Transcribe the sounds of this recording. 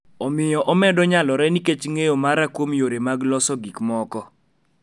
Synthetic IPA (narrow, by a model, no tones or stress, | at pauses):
ɔmɪjɔʔɔmɛdɔɲalɔɾɛniket͡ʃŋejomaɾakwomjoɾemaɡlɔsɔɡikmɔkɔ